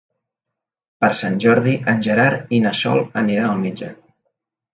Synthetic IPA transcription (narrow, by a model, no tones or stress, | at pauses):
pəɾsanʲʒɔɾðiʔənʲʒəɾaɾinəsɔ̰lˠəniɾanəlˠmed͡ʒə